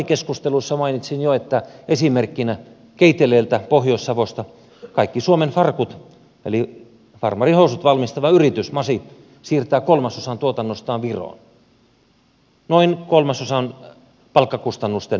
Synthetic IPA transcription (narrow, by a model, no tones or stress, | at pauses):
ikeskust̪elusːɑmɑinit̪sinjoet̪ːæesimerkːinæ | keit̪ːeleːlt̪æpohjoisːɑʋost̪ɑ | kɑikːisuomenfɑrkut̪ | ḛli | fɑ̰rmɑrihosut̪ʋɑlmist̪ɑʋɑyrit̪ysmɑsi | siːrt̪æːkolmɑsosɑnt̪uot̪ɑnːost̪ɑːʋʋiro̰ˑn | noinkolmɑsosɑn | pɑlkːɑkust̪ɑnːust̪en